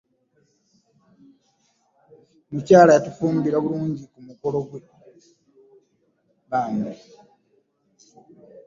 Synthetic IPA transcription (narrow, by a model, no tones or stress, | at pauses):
mucaːlajatufuːmbiɾaβuluːɲɟikumuko̞lo̞ɡwe | βaːmbe